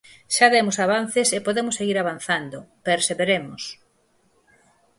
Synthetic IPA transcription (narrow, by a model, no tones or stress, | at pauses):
ʃaðɛmosaβ̞an̟θesepoðemoseɣiɾaβanθand̪opeɾseβeɾemos